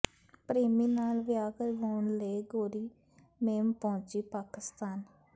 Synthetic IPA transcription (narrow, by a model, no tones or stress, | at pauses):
pɾeːmiːnaːlʋɪjaːkəɾʋaːʊɳleːɡoːɾiː | meːmpɔ̃ːt͡ʃiːpaːkɪst̪aːn